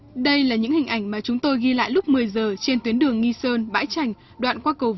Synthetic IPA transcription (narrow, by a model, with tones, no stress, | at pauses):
ɗə˧jlaː˨˩ɲɨ̰˧˥ŋhï̟˨˩ʔa˧˩jŋ̟maː˨˩t͡ɕʊ˨˦ŋ͡mt̪o˧jɣi˧la̰ː˧˨jlʊ˦˥k͡p̚mɨ˨˩əjzəː˨˩t͡ɕe˧nt̪wi˨˦ənɗɨ˨˩əŋːi˧səː˧nɓa̰ː˧˥jt͡ɕa˨˩jŋ̟ | ɗwa̰ː˧˨nkwaː˧kə˨˩w